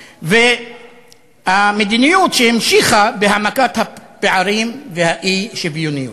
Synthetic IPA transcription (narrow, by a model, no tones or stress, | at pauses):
ve | hamed̪inijut̪ʃehimʃiχabehamakat̪hapeʕaɾimvehaʔiʃevijoniu